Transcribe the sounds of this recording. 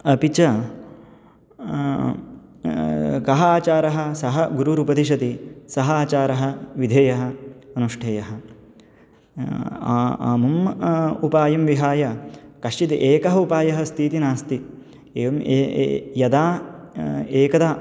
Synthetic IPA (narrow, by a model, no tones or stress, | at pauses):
ɐpit͡ʃɐ | kɐɦɐaːt͡ʃaːɾɐɦɐ̆sɐɦɐɡuɾuɾupɐd̪iʃ̬ɐt̪isɐɦɐaːt͡ʃaːɾɐɦɐ̆ʋid̪ʱeːjɐɦɐ̆ɐnuʂʈʰeːjɐɦɐ | a̰ːmɐmupaːjɐmʋiɦaːjɐkɐʂt͡ʃit̪iʔeːkɐɦɐupaːjɐɦɐst̪ʰiːt̪inaːst̪i | eːʋɐm̰ | jɐd̪aː | eːkɐd̪aː